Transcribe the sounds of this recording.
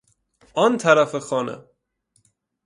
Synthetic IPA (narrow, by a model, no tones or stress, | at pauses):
ʔɒnt̪ʰæɾæfexɒːnḛ